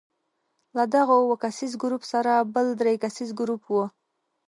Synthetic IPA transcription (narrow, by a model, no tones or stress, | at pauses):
lad̪aɣowəkasizɡɾupsaɾabəld̪ɾejkasizɡɾupwo